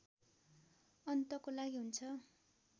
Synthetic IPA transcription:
ʌnt̪ʌkolaɡiɦunt͡sʰʌ

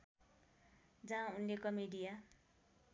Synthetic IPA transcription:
d͡zãunlekʌmeɖija

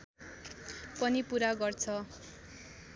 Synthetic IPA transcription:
pʌnipuɾaɡʌrt͡sʰʌ

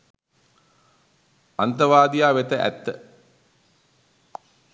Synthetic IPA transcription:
ant̪əʋaːd̪ijaːʋet̪əʔæ̰t̪ːə

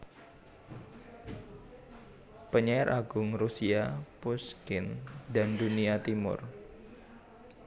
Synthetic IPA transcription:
pəɲaaɾʔaɡʊŋrusiapuskɪndanduniat̪imʊ̰r

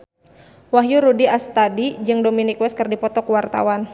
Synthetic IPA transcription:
waɦjuɾudiast̪adid͡ʒɨŋdominikwɛskɨrdipɔt̪ɔkuwart̪a̰wan

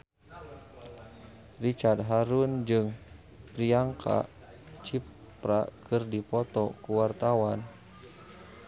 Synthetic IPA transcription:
rit͡ʃard̪̚ɦaɾund͡ʒɨŋ | pɾiaŋkʰa̰ | t͡ʃi | pɾakʰɨrdipɔt̪ɔkuwart̪awan

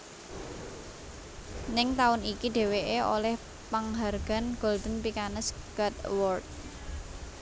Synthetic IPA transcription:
nɪŋt̪aʊnikiɖe̤weʔeʔo̰lɛh | paŋɦarɡ̥a̤nɡ̥old̪ə̤npikanəsɡ̥at̪wɔrt̪̚

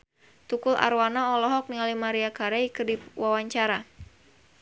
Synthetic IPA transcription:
t̪ukʊla̰ɾwanaɔlɔɦɔk̚nialimaɾiakaɾaikɨrdiwawaɲt͡ʃaɾa

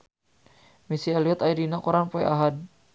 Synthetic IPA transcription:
misialiɔt̪ajdinakuɾanpɔɛʔaɦad̚

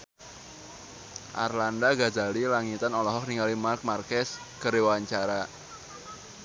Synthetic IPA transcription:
ʔa̰rlandaɡa̤d͡ʒalilaŋit̪anɔlɔɦɔk̚niŋalimark̚markɛs | kəɾewaaɲt͡ʃaɾa

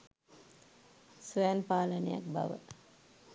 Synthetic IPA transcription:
sʋæːnpaːləneja̰k̚ba̰ʋə̰

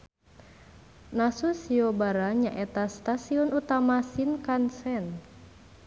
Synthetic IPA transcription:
nasusiɔbaɾaɲaʔɛt̪ast̪asiɔnut̪amasinkansɛn

